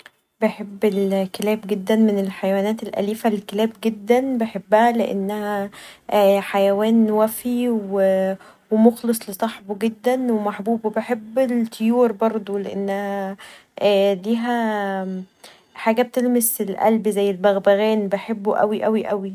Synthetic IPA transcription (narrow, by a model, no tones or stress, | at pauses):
beħebːelkelæːbɡed̪ːænmenelħajwæːnæːt̪elʔæ̰liːfælkelæːbɡed̪ːænbeħebːæhæleʔḛnːæhæ | ħajæwæːnwæfiwe | wemoxlesˤlesˤɑħboɡed̪ːænwemaħbuːbwebeħebːelt̪ʰːejuːɾbɑɾˤd̪ˤoleʔenːæhæ | liːɦæ | ħaːɡæb̚t̪elmeselʔæ̰lbzæjːelbæɣbæɣæːnbeħebːuʔæ̰wiʔæwiʔæwi